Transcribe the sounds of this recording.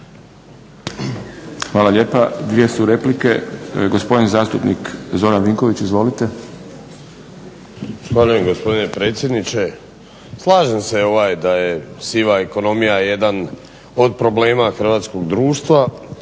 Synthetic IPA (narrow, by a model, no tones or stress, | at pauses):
xʋaːlaʎe̞ːpad̪ʋijesuɾe̞plike̞ɡospo̞d̪inzaːst̪upnikzo̞ɾanʋiŋkoʋit͡ɕizʋo̞lit̪e | sxvaʎuje̞mɡo̞spo̞d̪ine̞pɾe̞ːt̪sje̞d̪nit͡ʃe̞ | slˠaːʒemse̞o̞ʋaːjd̪ajesiʋaeko̞no̞mijajed̪an | o̞d̪pɾo̞ble̞ːmaxr̩ʋaːt̪sko̞ɡd̪ɾuːʃt̪ʋa